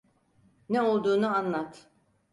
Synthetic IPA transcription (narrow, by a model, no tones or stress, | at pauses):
nɛo̞lˠd̪uːnuanlˠat̪